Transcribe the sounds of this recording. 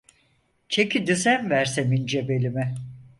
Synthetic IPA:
t͡ʃʰe̞cʰid̪yzænvæɾsemind͡ʒebelʲimɛ

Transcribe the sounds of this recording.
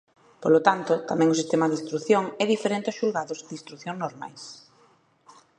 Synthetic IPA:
polot̪ant̪ʊt̪amɛ̃ŋosist̪emaðist̪ɾuθjoŋɛðifeɾent̪eɪɔʃulɣaðʊzd̪ist̪ɾuθjõŋznoɾma̰js

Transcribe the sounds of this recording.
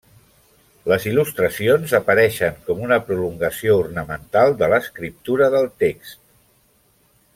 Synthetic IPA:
ləzilust̪ɾəsionzəpəɾɛʃəŋkɔmunəpɾuluŋɡəsiournəmənt̪alˠd̪ələskɾip̚t̪uɾəðəlˠt̪ekst̪̚

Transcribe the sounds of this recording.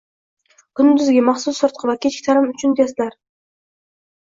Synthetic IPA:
kʊnnd̪yzɡʲimɑχsusːɨɾt̪̚qəvɑkʲʰet͡ʃkʲɪ̥t̪ʰɑɾɯmyt͡ʃynd̪ijslˠɑɾ

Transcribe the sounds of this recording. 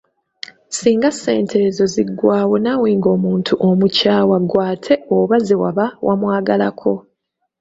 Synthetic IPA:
siːŋɡase̞̰ːntʰe̞zo̞ziɡːwaːwo̞naweːŋɡo̞ːmuːntʰuʔomucaːwaɡwaːtʰe̞oβazewa̰βawʔamwaːɡalakʰo̞

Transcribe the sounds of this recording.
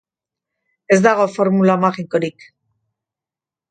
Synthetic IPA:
e̞zd̪aɣ̞o̞fo̞ɾmulamaɣiko̞ɾik

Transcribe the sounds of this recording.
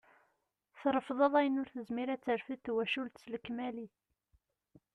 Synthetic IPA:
θɾˤəfðˤəðˤæjənʊɾθəzmiɾæt͡sːəɾfiθwæʃult̪sləkːmæli

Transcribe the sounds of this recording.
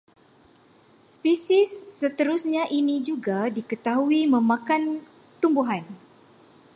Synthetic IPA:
spisisːət̪əɾusɲãʔinid͡ʒuɡadikət̪aɦuimə̃mãkan | t̪umbuɦan

